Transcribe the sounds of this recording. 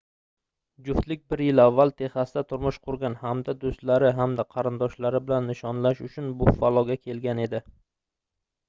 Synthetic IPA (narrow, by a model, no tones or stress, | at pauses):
d͡ʒʊft̪lɪk̚ʲbɪɾjɪlavːalˠt̪ʰe̞hasɪd̪at̪ʰʊɾmʊʃqʰʊɾɡʲanhamd̪ad̪ost̪laɾɪɦamd̪aqʰɑɾɪnd̪ɒʃlaɾɪbɪlanːɪʃɒnlaʃʊt͡ʃʰʊnbʊfalˠɒɡʲakʲʰe̞lɡʲane̞d̪ɪ